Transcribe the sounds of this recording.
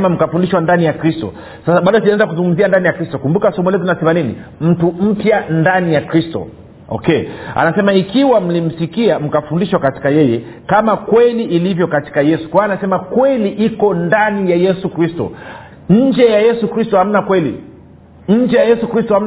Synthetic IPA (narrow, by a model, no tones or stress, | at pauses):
ɛmam̩kafundiʃwandanijakɾistɔ̰ | sasaɓaɗɔsianɛzakuzuŋɡum̩ziandanijakɾistɔkumbukasɔmɛlɛt̬unasɛmaninḭm̩tum̩pjandanijakɾistɔ̰ | ɔ̰kɛa̰nasɛmaikiwam̩lim̩sikiam̩kafundiʃwakati̥kajɛjɛ | kamakwɛliʔilivjɔkati̥kajɛsu̥kwawanasɛmakwɛliʔikɔndanijajɛsukɾistɔ̰ | ɲ̩d͡ʒɛjajɛsukɾistɔham̩nakwɛlḭ | ɲ̩d͡ʒɛjajɛsukɾistɔham̩